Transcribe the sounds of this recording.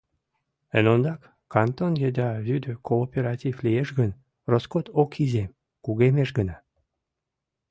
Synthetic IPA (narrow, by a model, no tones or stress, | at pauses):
ə̰nond̪ɑkː | ɑnt̪onjed̪ɑβyd̪økʰoːpʲeɾɑtʲivlijeʃɡən | roskot̪okizem | kuɣemeʃɡənɑ